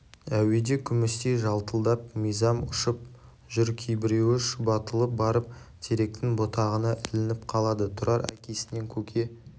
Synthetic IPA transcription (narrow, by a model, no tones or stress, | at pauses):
æwe̞d̪e̞kʲʰʏmɪst̪ejʒɑlˠt̪əlˠd̪ɑp̚məjzɑmʊʃəp̚ | ʒʏɾkʲʰijbɪɾewɪʃbɑt̪əlˠəp̚bɑɾəp̚t̪ʰe̞ɾe̞k̚t̪ɪŋbo̞t̪ɑʁənɑʔɪlɪnɪp̚qʰɑlˠɑd̪ət̪ʰʊɾɑɾæ̰kʲe̞sɪne̞ŋkʲʰɵkʲʰe̞